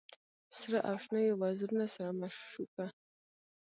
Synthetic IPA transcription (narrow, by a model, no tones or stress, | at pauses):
srɨʔapʂnɨiwazɨrnasaɾamaʂʂupʰa